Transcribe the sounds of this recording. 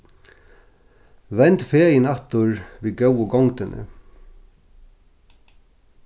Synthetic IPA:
ʋɛnt̪feːjɪnɑt̪ʊɹʋiːɡœwʊɡɔŋt̪ɪnʔə̰

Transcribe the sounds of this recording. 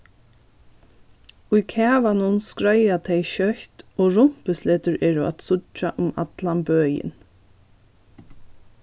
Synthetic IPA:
ʊjkʰæːʋanʊnskɹœjat̪ʰɛjʃœht̪oːɹʊm̥pəsleːt̪ʏɹʔɛːɹʊʔa̰t̪sʊt͡ʃaʔʊma̰t̪lambøːjɪ̰n

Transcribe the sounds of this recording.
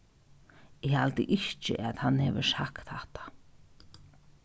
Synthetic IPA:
ɪhalt̪ɪʔɪht͡ʃɪ̰ʔaðhanːhɛːvɪsakt̪haht̪ḁ

